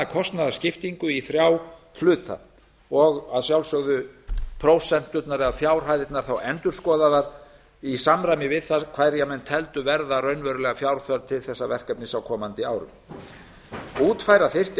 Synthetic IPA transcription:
akʰɔst̪naðascɪft̪iŋkʏiθɾjaːw | flʏːt̪ʰa̰ | ɔɣaðsjawlsœɣðʏpʰɾoːwsɛn̥t̪ʏt̪naɾɪaðfjaːwɾ̥ɦajðɪt̪naɾ̥θawɛnt̪ʏɾskɔːðaðaɾ | isamɾajmɪvɪðθakʰvaːjɾjamɛnːt̪ʰɛlt̪ʏvɛɾðarœɥnvœɾʏlɛɣafjawɾ̥θœɾt̪ʰɪlθɛsːavɛr̥kɛpnɪsawkʰɔːmant̪ɪaːwɾʏ̰m | uːt̪fajɾaθɪr̥t̪

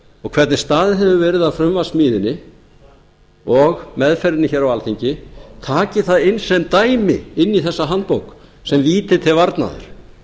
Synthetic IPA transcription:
ɔɣkʰv̥ɛɾt̪nɪst̪aːðɪɦɛvʏvɛːɾɪðaðfɾʏmvasmiːðɪnːɪ | ɔɣmɛðfɛɾɪtnɪçɛɾawalθiɲcɪt̪ʰaːcɪθaðɪnsɛmt̪aːjmɪɪnːiθɛsːaɦant̪̚powk | sɛmviːt̪ɪt̪ʰɪlvaɾt̪na̰ðʏ̰ɾ̥

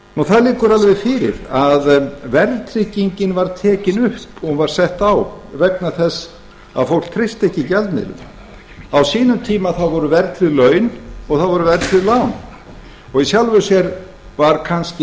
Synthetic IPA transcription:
nɔθaðlɪːkʏɾalvɛðfɪɾɪ̰ɾaðvɛɾt̪ʰɾɪciɲcɪnvaɾt̪ʰɛːcɪnʏhpɔɣvaɾ̥sɛht̪awvɛk̚naθɛsː | a̰ðfowl̥k̚t̪ʰɾɪst̪ɛhcːɪcɛlt̪nɪ̰lʏ̰ | awsiːnʏmt̪ʰiːmaθawvɔɾʏvɛɾt̪ɾɪðlœːɥnɔɣθaðvɔɾʏvɛɾt̪ɾɪðlaːwn | ɔɣisjawlvʏsjɛɾ | vaɾkʰanscɪ

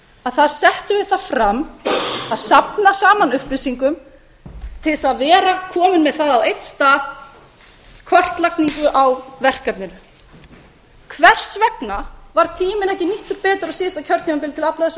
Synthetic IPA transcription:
aðθaðsɛht̪ʏvɪðθafɾamːaðsapnasaːmanʏhpɾɪsiŋkʏm | t̪ʰɪlsaðvɛːɾakʰɔːmɪnmɛðθaðawejt̪st̪aːð | kʰvɔr̥t̪lakniŋkʏʔawvɛr̥kat̪nɪɾ | kʰvɛr̥svɛpnavaɾ̥t̪ʰiːmɪnɛhcɪniht̪ʏɾpɛːt̪ʏɾɔsiːɪst̪acʰœɾ̥t̪imapɪlt̪ʰɪlaplaðs

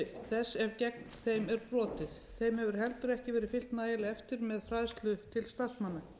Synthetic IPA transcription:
θɛsːɛɾcɛk̚nθejmɛɾpɾɔːt̪ɪðθejmhɛvʏɾ̥hɛlt̪ʏɾɛhcɪvɛːɾɪfɪl̥t̪naːjɪlɪɛft̪ɪɾmɛðfɾajðst̪lʏt̪ʰɪlst̪asmanːa

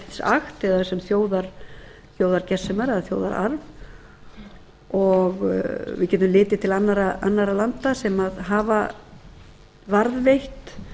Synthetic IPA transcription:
t̪sa̰xt̪ɛðasɛmθjoːwðaɾ̥ | θjoːwðaɾcɛ̥sɛmaɾɛðaθjo̰ːwða̰ɾa̰ɾv | ɔɣvɪðcɛːt̪ʏmlɪːt̪ɪt̪ʰɪlanːaɾaʔa̰nːaɾalant̪asɛmaðɦaːva | vaɾðvejht̪

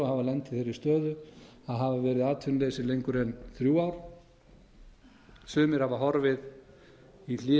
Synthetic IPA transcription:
ahavalɛnt̪ɪθejɾɪst̪œːðʏaðɦavavɛːɾɪðaːt̪ʰʏnleːsɪlejŋkʏɾɛnθɾjuːaːwɾ̥ | sʏːmɪɾ̥havaɦɔɾvɪð | il̥ɪ

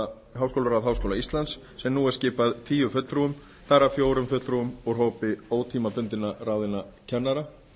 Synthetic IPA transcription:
ɦawskowlʏɾawðɦawskowlaist̪lansːɛmnuːɛɾscɪːpaðt̪ʰiːjʏfʏt̪ɾuʏm | θarːafjoːwɾʏmfʏt̪ɾuʏmɔɣrɦowpɪoːwt̪ʰiːmapʏnt̪ɪnaɾaːwðɪnacʰɛnːaɾa

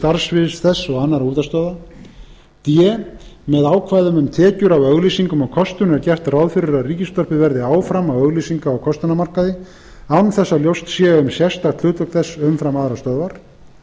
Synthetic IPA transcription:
t̪aɾsvɪðsθɛsːɔɣanːaɾuːt̪ast̪œða | t̪jɛmɛðaːwkʰvaːjðʏmʏmt̪ʰɛːcʏɾawœɣlisiŋkʏmawkʰɔst̪ʏnɛɾcɛr̥t̪rawðfɪɾɪɾaðriːcɪst̪ɔr̥pɪvɛɾðɪaːwfɾamawœɣlisiŋkaːwkʰɔst̪anamar̥kaðɪ | anθɛsːaljowst̪sjɛːʏmsjɛst̪aɾt̪ʰʏːt̪vœk̪θɛsːʏmfɾamaðɾast̪œðvaɾ̥

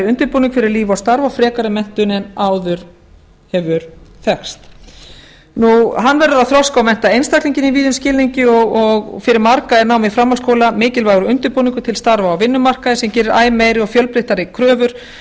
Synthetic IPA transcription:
ʏnt̪ɪɾpuniŋkfɪɾɪɾliːvawst̪aɾvafɾɛːkaɾɪmɛn̥t̪ʏnɛnaːwðʏɾ̥ | hɛvʏɾ̥θɛxst̪ | nuɦanːvɛɾðʏɾaðθɾɔskawmɛn̥t̪aejnst̪ak̪liɲcɪniviːðʏnscɪːlniɲcɪɔɣɔɣfɪɾɪɾmaɾkaɛɾnaːwmɪfɾamːalskowlamɪːcɪlvaːɣʏɾʏʏnt̪ɪɾpuniŋkʏt̪ʰɪlst̪aɾvaːwvɪnːʏmar̥kaðɪsɛmcɛːɾɪɾaːjmeːjɾɪɔɣfjœlpɾɪht̪aɾɪkʰɾœːvʏɾ̥

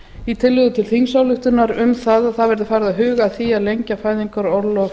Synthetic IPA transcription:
it̪ʰɪlːʏðʏt̪ʰɪlθiŋsaːwlʏht̪ʏnaɾʏmθaðaðθavɛɾðʏfajɾðaɦʏːɣaθiaðlejɲcafaːjðiŋkaɾɔɾlɔ

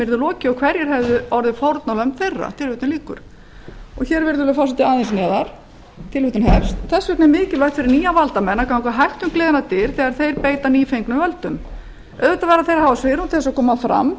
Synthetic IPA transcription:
vɪɾðʏlɔːcɪɔɣkʰvɛɾjɛɾ̥ɦɛvðʏɔɾðɪfɔwɾt̪nalœm̥t̪θejrːa̰t̪ʰɪlvʏːt̪ɪnliːkʏ̰ɾ̥ | ɔɣçɛːɾvɪɾðʏlʏfawsat̪ʰɪlaːðɪnsnɛːðaɾ̥ | t̪ʰɪlvʏːt̪ɪnɦɛfst̪θɛsːvʏtnamɪːcɪlvajt̪fɪɾɪɾniːjavalt̪amɛnːakʰawkvaɦajht̪ʏmkleːðɪnat̪ɪɾ̥θɛɣaɾ̥θejɾpeːjt̪aniːfejŋknʏmvœlt̪ʏm | œ̰ðvʏt̪avɛːɾaθejɾhaːvasvɪɾhunt̪ʰɪθɛsakʰɔːmafɾa̰mː

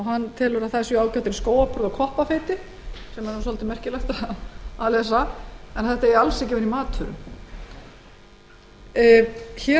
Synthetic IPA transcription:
ɔɦanːt̪ʰɛːlɔɾaθasʏaːwcawt̪ɪɾskoːwapʰɔɾðɔkʰɔhpafejt̪ɪ | sɛmaɾsɔlt̪ɪmɛr̥cɪlajxt̪aalɛsaɛnaθɛht̪aɛɾalsɛcɛːvʏnimaːt̪ʰʏɾʏ̰m | çɛ

